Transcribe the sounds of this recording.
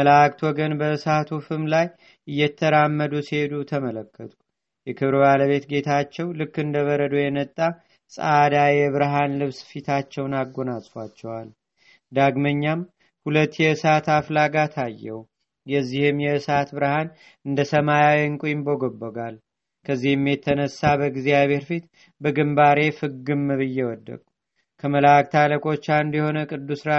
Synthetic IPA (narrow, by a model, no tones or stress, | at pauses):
əlakʼt̪wɔɡənbəɨsat̪ʰufɨmlaj | ʔɨjːɛt̪ʰːəɾamːəd̪usihe̞d̪ut̪ʰəmələkːət̪ʰʼu̥ | jɛkʰɨβɾbaləβe̞t̪ɡe̞t̪ʰat͡ʃːɛwlɨkːɨnd̪əβəɾəd̪ojɛnət̪ʼːa | sʼd̪ajɛβɨɾɦanlɨβsfit̪ʰat͡ʃːɛwnaɡːo̞nasʼfat͡ʃːɛwal | d̪aɡməɲːam | hulət̪ːjɛɨsat̪aflaɡat̪ʰajːɛw | jɛzːihɨmjɛɨsat̪bɨɾɨhan | ɨnd̪əsəmajawiŋkʼujɪmbo̞ɡobːəɡal | kʰəzːihɨmːjet̪ʰːənəsːabəɡzijaβe̞ɾfit̪ | bəɡɨmbaɾe̞fɨɡɨmːɨβɨjːɛwɔd̪ːə̰kʼu | kʰəməlak̚ʼt̪ʰaləkʼo̞t͡ʃːand̪jɛho̞nəkʼɨd̪ːusɾa